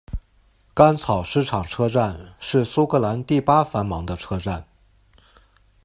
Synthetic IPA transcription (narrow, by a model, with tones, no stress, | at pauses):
ka˥nt͡sʰɑ˨˩ʊʂɻ̩˥˩ʈ͡ʂʰɑ˨˩ŋʈ͡ʂʰɤ˥ʈ͡ʂa˥˧nʂɻ̩˥˩su˥kʰɤ˥˩la˧˥nt̪i˥˩pa˥fa˧˥nmɑ˧˥ŋd̪ə˧ʈ͡ʂʰɤ˥ʈ͡ʂa˥˩n